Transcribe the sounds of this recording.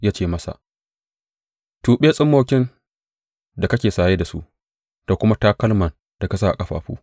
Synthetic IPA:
jaː˦t͡ʃeː˦˨mɐ˦sa̰˨ʔ | tuː˨ɓeː˦sʼɪ˦mːoː˨kʲɪ˦n | da˨kɐ˦kʲeː˨saː˨jeː˦da˨sṵ˦ʔ | d̥a˨kʷʊ˦ma˦taː˦kɐ˦lmɐ˨n | d̥a˨ka˦s̬aː˦ʔa̰˨kʼɐ˦ɸa̰ː˨ɸṵː˦

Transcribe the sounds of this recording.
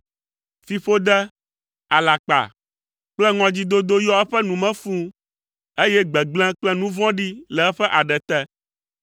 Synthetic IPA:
fi˦ɸo˦d̪ɛ˦ | a˨la˨k͡pa̰˨ | k͡plɛ˦ŋɔ̃˨d͡ʑi˦d̪o˦d̪o˦jɔ˦ɛ˦ɸɛ˦nũ˨mɛ̃˦fũ˦ | e˦jɛ˦ɡ͡bɛ˨ɡ͡blɛ̃˦k͡plɛ˦nũ˦vɔ̃˦ɖi˦lɛ˨ɛ˦ɸɛ˦ʔa˨ɖɛ˨t̪ɛ˦

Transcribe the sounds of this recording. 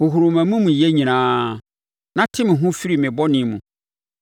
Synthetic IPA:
ho˨ɦu˨ɾʊ˨mã˨mũ˦mũ˨jɛ˦ɲĩ˨nãː˦ | nã˦tʰɪ˦mɪ̃˨ɦʊ̃˦fi˦ɾi˨mɪ̃˨bɔ˦nɪ̃˨˦mũ˨

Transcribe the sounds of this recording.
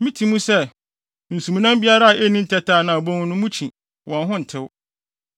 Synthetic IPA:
mĩ˦tʰi˨mũ˦sɛ˦ | n̩˨sũ˨mũ˨nã˦mbi˦a˦ɾa˦a˨ʔe˦nĩ˦n̩˦tʰɛ˦tʰaː˦˨nã˨bɔ̃˦ŋ˦nʊ̃˦mũ˦t͡ɕʰĩ˨ | wɔ̃˨nɦʊ̃˦n̩˨tʰɪ˦w

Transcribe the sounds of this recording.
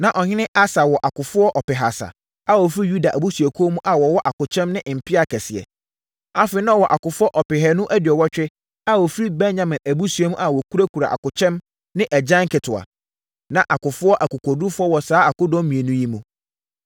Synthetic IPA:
nã˨ʔɔ˨ɲɪ̃˦nɪ̃˦ʔa˦sa˨wɔ˨ʔa˨kʊ˨fʊ˦ɔ˦ʔɔ˨pɪ˨ɦa˨sa̰˨ | a˦wɔ˨fi˦ju˦da˨ʔæ˨bu˦su˨æ˨kʰu˦o˦mũ˦ʔa˨wɔ˨wɔ˦ʔa˨kʊ˨t͡ɕʰɛ̃˦mnɪ̃˦ʔɪ˨m̩˨pʰɪ˦a˨kʰɛ˨sɪ˨ɛ̰˨ | a˦fɪ˨ɪ˦nã˦ɔ˦wɔ˨ʔa˨kʊ˨fʊ˦ɔ˦ʔɔ˨pɪ˨ɦɛ˨nʊ̃˦ʔæ˦dɪ˨ɔ˨wɔ˦t͡ɕᶣɪ˦ | a˦wɔ˨fɾi˦bɛ̃˦nɲã˨mɪ̃˨næ˨bu˦su˨ɛ˦mũ˦ʔa˨wɔ˨kʰu˦ɾa˦kʰu˨ɾa̰˨ʔa̰˨kʊ˨t͡ɕʰɛ̃˦m | nɪ̃˦ʔæ˨d͡ʑã˦ŋ˦kɪ˨tʰʊ˨a̰˨ | nã˨ʔa˨kʊ˨fʊ˦ɔ˦ʔæ˨kʊ˨kʰɔ˨du˦fʊ˦ɔ˦wɔ˨saː˦a˨kʊ˦dɔ̃˦mmĩ˨e˨nũ˦ji˦mũ˦

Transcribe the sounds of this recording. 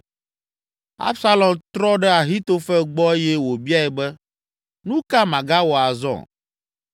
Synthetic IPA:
a̰˦bsa˦lɔ˨mt̪ɾɔ˦ɖɛ˦a˨ɦi˦t̪o˦fɛ˦ɡ͡bɔ˦e˦jɛ˦wo˨bi˦a˦ɛ˨bɛ˦ | nũ˦ka˦mã˨ɡa˦wɔ˨a˨zɔ̰̃˦˨

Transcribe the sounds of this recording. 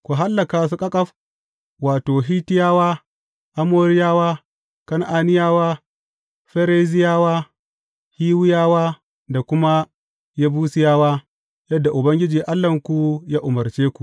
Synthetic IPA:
kʷu˨ɦa˦lːɐ˨kaː˨su˦kʼɐ˦kʼɐ˦ɸ | waː˨toː˨ɦiː˦tɪ˦jaː˦waː˦ | ʔa˦moː˦ɾɪ˦jaː˦waː˦ | kɐ˦ŋʔaː˨nɪ˦jaː˦waː˦ | ɸɛ˦ɾe˦zɪ˦jaː˦waː˦ | hiː˦wʊ˦jaː˦waː˦ | da˨kʷʊ˦ma˦ | ja˦buː˦sɪ˨˦jaː˦waː˦ | jɐ˦dːa˨ʔʊ˨bɐ˦ŋɡʲɪ˦d͡ʒiː˨ʔa˦lːɐ˨ŋkʷu˦jaː˦ʔʊ˨mɐ˨ɾt͡ʃeː˦kʷu˨

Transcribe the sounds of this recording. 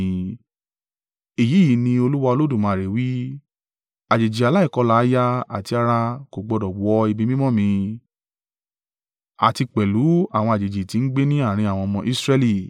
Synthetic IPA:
e˨ji˨˦ji˨˦nĩ˧o˧lu˦wa˧o˧lo˦dũ˦˨mãː˧˨ɾe˨wi˦ | a˨d͡ʒe˨d͡ʒi˨a˨la˦i˦˨kɔ˧la˨˦ja˦a̰˨ti˧a˧ɾa˧ko˨ɡ͡bɔ˧dɔ˨ɡ͡bɔ˨˦i˧bi˧mĩ˦mɔ̃˦˨mĩ˧ | a̰˨ti˧k͡pɛ˨lu˨˦a˦˨w̃ɔ̃˧a˨d͡ʒe˨d͡ʒi˨ti˧n̩˦ɡ͡be˦nĩ˦a˦˨ɾ̃ĩ˧a˨wɔ̃˧ɔ˧mɔ̃˧ʔi˦sɾɛ˧li˦˨

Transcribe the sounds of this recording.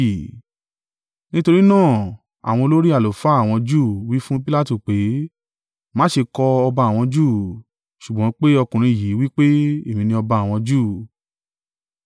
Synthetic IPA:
nĩ˦to˧ɾi˦nãː˦˨ | a̰˨w̃ɔ̃˧lo˦ɾi˦a˦˨lo˨fa˨˦˨w̃ɔ̃˧d͡ʒuː˦˨wi˦fũ˦pi˦la˦tu˦˨k͡pe˨˦ | mãː˨˦ʃe˧kɔ˧ɔ˧ba˧a˨w̃ɔ̃˧d͡ʒuː˦˨ | ʃu˨ɡ͡bɔ̃˨˦k͡pe˦ɔ˧kũ˨ɾ̃ĩ˧˨ji˨˦wi˦k͡pe˦e˦˨mĩ˧nĩ˧ɔ˧ba˧a˨w̃ɔ̃˧d͡ʒuː˦˨

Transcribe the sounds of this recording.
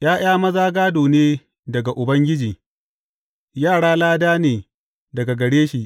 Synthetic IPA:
j̰aː˦j̰aː˦mɐ˦zaː˦ɡaː˦doː˨neː˦ | dɐ˨ɡa˨ʔʊ˨bɐ˦ŋɡʲɪ˦d͡ʒiː˨ | jaː˦˨ɽaː˦laː˦daː˦neː˨ | dɐ˨ɡa˨ɡɐ˨ɽeː˦ʃiː˨ʔ

